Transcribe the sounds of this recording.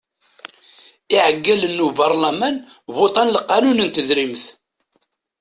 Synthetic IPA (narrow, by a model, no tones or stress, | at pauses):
iʕəɡːælənːubɑɾˤlæmæn | βot̪ˤɑnlqːɑnunənt̪əðɾimθ